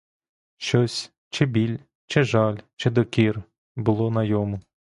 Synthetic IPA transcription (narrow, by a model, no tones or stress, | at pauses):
ʃt͡ʃɔsʲ | t͡ʃɪbʲilʲ | t͡ʃɪʒɑlʲt͡ʃɪd̪ɔkʲir | bʊlˠɔnɐjɔmʊ